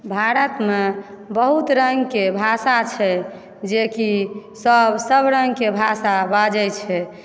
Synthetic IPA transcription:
bʱaɾət̪me | bəɦut̪ɾəŋɡkebʱasat͡ʃʰɛ | d͡ʒekisəbsəbɾəŋɡkebʱasabad͡ʒɛt͡ʃʰɛ

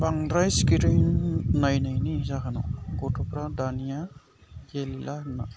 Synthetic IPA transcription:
baŋɾajskiɾajnnajnajniizakʰanɔ̰ɡɔtupɾadanija | ɡelilʔana

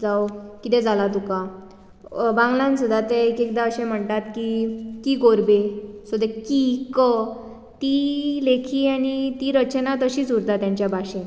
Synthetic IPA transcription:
d͡zawkit̪ɛ̃d͡zalat̪uka | bãŋɡlãnsud̪ʱːat̪eekek̚d̪aəɕẽm̤əɳt̪at̪kikiːkoɾbesud̪ekikə | t̪ilekʰiːanit̪iɾət͡ɕənat̪əɕiːd͡zuɾd̪at̪jãɲt͡ɕjabʱaɕẽ

